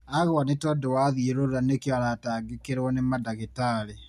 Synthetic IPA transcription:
aɣwanetɔdowaðjeɾoɾanekjaɾataːŋɡekeɾwɔnemadaɣetaːɾe

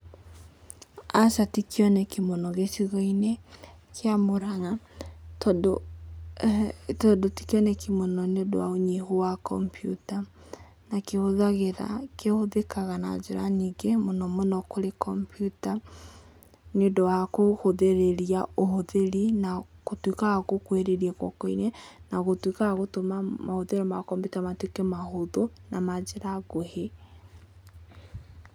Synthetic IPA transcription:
asatikjɔnɛkimonɔɣesiɣɔine | keamoɾaɣatdo | todoti̥kjɔnɛkimonɔneodo̰waoɲiɦowakɔ̰mpjuta | nakehoðaɣeɾa̰kehoðekaɣana̰d͡ʒeɾa̰niɡemonɔmonɔkoɾekʰɔmpjuta | nodɔakohoðeɾeɾjaohoðeɾinaɣotwikaɣaɣokweɾeɾiɛkwɔ̰kɔinɛnaɣotwikaɣaɣotomamahoðeɾemakɔmbitamatwekemahoðonamad͡ʒeɾaɣohe

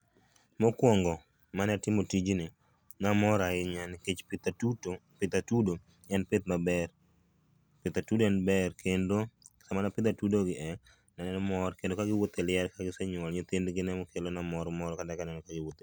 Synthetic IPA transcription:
mɔkwɔŋɡɔ | manatɪmotid͡ʒinɪ | namɔɾaɪɲanket͡ʃpɪt̪utopɪt̪atudo | ɛnpɪt̪̚mabɛr | pɪt̪atudɛnbɛrkendosamanapɪt̪atudoɡɪʔɛ | nanɛnɔmɔɾkendokaɡɪwot̪ɛlɪɛɾkaɡɪseɲwɔlɲet̪endɡɪnɛmɔkelonamɔɾɔmɔɾɔkadakanɛnɔkaɡɪwot̪e

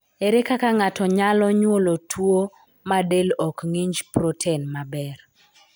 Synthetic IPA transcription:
eɾekakaŋatɔɲalɔɲwolotʰwo | madelɔkŋiɲd͡ʒpɾotʰenmabɛr

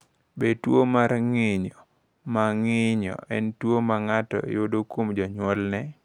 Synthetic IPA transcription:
betwomaɾŋɪɲɔ | maŋɪɲɔ̰ɛntwomaŋatɔ̰jodokomd͡ʒɔɲwɔlnɛ

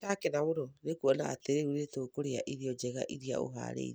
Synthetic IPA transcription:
takenaβoɾɔɾekuɔnaːteɾeuɾetoːkoɾeaʔiðiɔd͡ʒɛɣa̰ʔiɾia̰o̰ɦa̰ɾḛiɾ

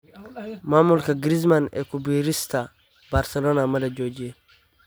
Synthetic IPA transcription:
mamulkɐɡɾiz̬manɛ̰kubiɾist̪a | baɾsɛlɔnamɐdɐd͡ʒoːd͡ʒie

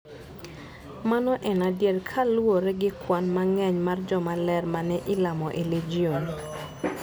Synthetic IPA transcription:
manɔʔɛnadjedkʰalwoɾɛɡɪkwanmaŋɛɲmard͡ʒɔmalɛrmanɛʔɪlamɔʔeled͡ʒion

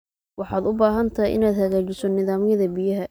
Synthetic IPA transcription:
wɑħɑːd̪ʊbaːɦɐnt̪ʰɐjʔɪ̰naːd̪hɐɣaːt͡ʃɪsɔnɪðaːmɪjɐðɐbɪjɐɦɐ

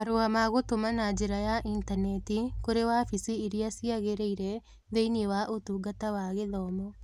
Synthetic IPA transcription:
ɐɾuamaɣot̪omanaːd͡ʒiɾɐjaʔintɐnet̪ikoɾewaːfisiːɾiasiaɣeɾeiɾɛ | ðeiniewaʔut̪uɡɐt̪awaːɣeðɔːmɔ

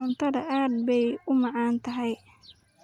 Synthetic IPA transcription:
ʊnt̪ʰɐðɐʔaːd̪̚bɛjʊmɑʕɑːnt̪ʰɐɦɛj

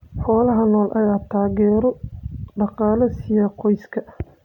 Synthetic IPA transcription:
ħɔːlɐɦɐnɔːlʔɐjaːt̪ʰaːɣɛːɾɔɖɑqɑːlɐsɪjɐqɔjskʰɐ

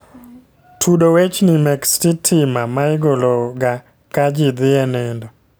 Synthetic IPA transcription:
tʰudowet͡ʃnɪmɛkstitʰɪmamaɪɡolɔɡa | kad͡ʒɪd̪ɪɛnɛndo

